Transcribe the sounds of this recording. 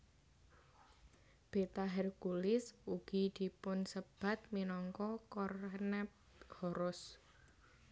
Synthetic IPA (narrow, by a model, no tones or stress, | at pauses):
b̥e̤t̪aɦɛrkulɪsuɡ̥i̤d̪̥i̤pʊnsəb̥a̤t̪̚minɔŋkɔkɔrnɛp | hɔɾʊs